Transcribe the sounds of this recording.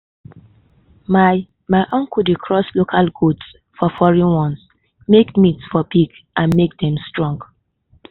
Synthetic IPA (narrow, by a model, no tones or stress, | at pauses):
ma | maɪʔɔ̃ŋkudikʰɹɔslokʰalɡuds | fɔfɔɹĩnwɔ̃ns | mekmitsfɔbiɡ | ʔãnmek̚dɛ̃mstɹɔ̃ŋɡ